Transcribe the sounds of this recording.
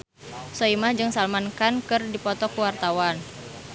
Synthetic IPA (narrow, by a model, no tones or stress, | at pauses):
sɔimahd͡ʒɨŋsalmankankɨrdipɔt̪ɔkuwart̪awan